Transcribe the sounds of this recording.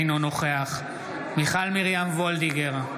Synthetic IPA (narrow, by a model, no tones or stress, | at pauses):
nono̞χeaχ | miχalmiʁjamvold̪iɡeʁa